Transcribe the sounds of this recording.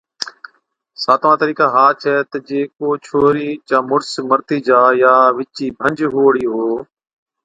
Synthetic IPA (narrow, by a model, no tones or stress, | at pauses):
saːt̪ʋãːt̪əɾiːkãːɦaːt͡ʃʰɛːt̪əd͡ʒeːkoːt͡ʃʰoːɾiːt͡ʃãːmʊɽsməɾt̪iːd͡ʒaːjaːʋɪt͡ʃiːbʱə̃ɲd͡ʒɦoːɽiːɦoː